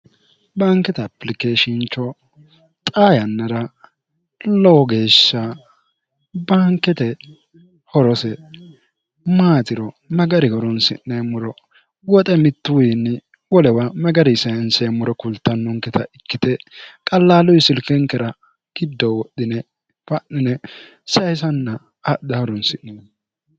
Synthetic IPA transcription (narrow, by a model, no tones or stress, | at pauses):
baŋkːɛt̪ɐːpːlɪkeːʃɪnt͡ʃːɔ | t̪ʼaːjɐnːɐɾɐ | lɔɡe̞ːʃːɐ | baːŋkːɛt̪ɛ | hɔɾɔsɛ | maːt̪ɪɾɔ | mɛɡɐɾɪɡɔɾɔnsɪ̰nːɛmʊɾɔ | wɔt̪ʼɛmɪt̪ːʊwjɪnːɪ | wɔlɛwamɛɡɐɾɪsɐjɐnsɛmʊɾɔkʊlt̪ːɐnːɔŋkɛt̪ɐʔɪkːɪt̪ɛkʼɐlːaːlɔjsɪlkɛŋkɛɾɐ | ɡ̥ɪd̪ːɔwɔɗɪnɛ | fɐʔːɪnɛ | sɐjsɐnːɐ | ad̪ɐɔɾɔnsɪnːɪ